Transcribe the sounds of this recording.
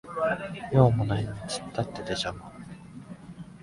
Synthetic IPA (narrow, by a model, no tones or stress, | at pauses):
joːmonaçʲiɲit͡ɕi̥t̪ːat̪ːed̪eʑama